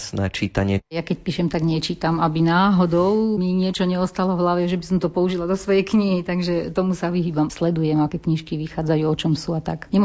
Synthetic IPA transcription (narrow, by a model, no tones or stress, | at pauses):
snɛ̰t͡ʃit̪aɲɪɛjakɛc̚piːʃɛmt̪aɡɲɛt͡ʃiːt̪amabinaːɦɔd̪ɔʊmiɲɪɛt͡ʃɔɲɛɔst̪alɔvlaʋɛʒɛbisɔmt̪ɔpɔuʒilad̪ɔsʋɔjɛjkɲiɦit̪aɡʒɛt̪ɔmusaʋiɦiːbamslɛd̪ujɛmakɛkɲiʃkiʋixaːd͡zajuːɔt͡ʃɔmsuat̪a̰kɲɛm